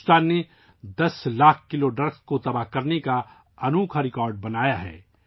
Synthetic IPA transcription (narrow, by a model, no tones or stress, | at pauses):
st̪aːnːe | d̪ɐslaːk̚ʰkɪloɖɾɐkskot̪ɐbaːɦkɐɾneka | ɐnuːkʰaɾɪkɔːɾɖ̚bɐnaːjaɦɛ̰ː